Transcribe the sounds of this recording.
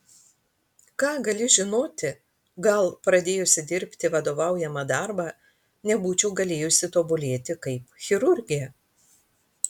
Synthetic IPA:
kɑːɡɐlʲɪʒʲɪnoːt̪ʲɪ | ɡɐlˠpɾɐd̪ʲeːjʊsʲɪd̪ʲɪɾʲpʲt̪ʲɪʋɐd̪oːʋɑˑʊjɛmɐd̪ɑɾbɑː | nʲɛbuːt͡ʃʲɛʊɡɐlʲeːjʊsʲɪt̪oːbʊlʲeːt̪ʲɪkɐɪpxʲɪɾʊɾʲɡʲɪjɛ

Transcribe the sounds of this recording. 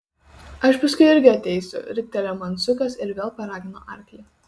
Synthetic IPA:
ɐʃpɐskʊɪɪɾʲɡʲɪɐt̪ʲɛɪsʲʊ̰ɾʲɪk̚ʲt̪ʲɛlʲɛmɐnt̪sʲʊkɐsɪɾʋʲeːlˠpɐɾɑːɡʲɪno̰ːʔɐɾʲkʲlʲi

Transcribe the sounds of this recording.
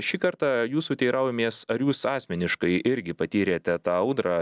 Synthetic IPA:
ʃʲiːkɐɾt̪ɑjuːsuːt̪ʲɛɪɾɑʊjɛmʲeːsɐɾjuːsɑːsʲmʲɛnʲɪʃkɐɪʔɪɾʲɡʲɪpɐt̪ʲiːɾʲeːt̪ʲɛt̪ɑːɐʊd̪ɾɑː

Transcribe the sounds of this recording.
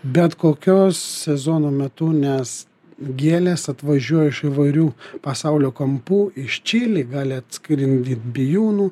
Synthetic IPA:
bʲɛt̪koːkʲoːssʲɛzoːnoːmʲɛt̪ʊnʲɛs | ɡʲeːlʲeːsɐt̪ʋɐʒʲuɔjɛɪʃɪʋɐɪɾʲuːpɐsɐʊlʲoːkɐmpuːʔɪʃt͡ʃʲiːlʲiɡɑːlʲɪɐt̪ʲskɾʲɪnʲd̪ʲiːt̪bʲɪjuːnuː

